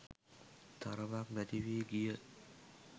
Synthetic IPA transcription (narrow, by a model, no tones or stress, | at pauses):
t̪aɾəbak̚mɛd̪iʋiːɡijə